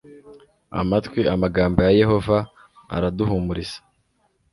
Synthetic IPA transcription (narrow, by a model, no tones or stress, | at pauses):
a̰matkwiamaɡaːmbojaje̞ɦo̞va̰ː | ɾaduɦumuɾizḁ